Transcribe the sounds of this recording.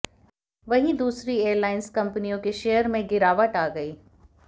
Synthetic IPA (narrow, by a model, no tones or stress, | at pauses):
ʋɐɦĩd̪uːsɾieːɾlaːɪnzkɐ̃mpənijõkeʃeːəɾmẽɡɪɾaːʋəʈaːɡɐiː